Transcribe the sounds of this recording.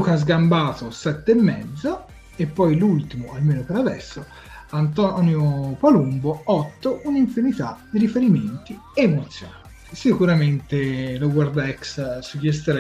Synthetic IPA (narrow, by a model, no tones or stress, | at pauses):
ukazɡambaːt̪osɛt̪ːeemːɛd̪zːo | epːɔjlult̪imoʔalmeːnopeɾad̪ɛ̰sːo | ant̪ɔnjopalumboɔt̪ːoʔuniɱfinit̪ad̪iɾifeɾiment̪i | emot̪sːjonat̪i̥sikuɾament̪eloɡward̪ɛkssud͡ʒːest̪eɾa